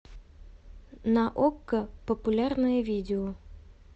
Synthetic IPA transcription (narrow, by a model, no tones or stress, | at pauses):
nɐʔokːəpəpulʲarnəjəvʲidʲɪo